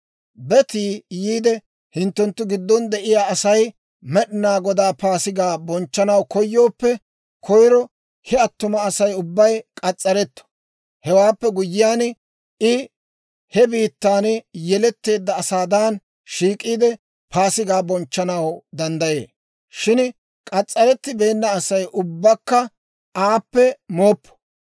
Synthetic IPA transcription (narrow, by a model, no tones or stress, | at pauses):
bɛt̪iːjiːd̪ɛ | hɪnt̪ːɛnt̪ːʊɡɪd̪ːɔnd̪ɛʔɪjaːɐsɐj | mɛɗɪnaːɡɔd̪aːpaːsɪɡaːbɔnt͡ʃːɐnɐwkɔjːo̞ːpːɛ | kʰɔjɾɔ | hɛɐt̪ːʊmɐːsɐjʊbːɐjkʼɐt͡sʼːɐɾɛt̪ːɔ̥ | hɛwaːpːɛɡʊjːɪjaːn | ɪ | hɛbiːt̪ːaːnjɛlɛt̪ːe̞ːd̪ːɐːsaːd̪aːn | ʃiːkʼːiːd̪ɛ | pʰaːsɪɡaːbɔnt͡ʃːɐnɐwd̪ɐnd̪ɐje̞̰ː | ʃɪn | kʼɐt͡sʼːɐɾɛt̪ːɪbe̞ːnːɐːsɐjʔʊbːɐkːɐ | aːpːɛmo̞ːpːɔ̥